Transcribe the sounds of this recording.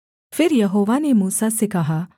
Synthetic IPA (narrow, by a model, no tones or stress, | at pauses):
fɪɾjɐɦoːʋanemuːsasekɐɦaː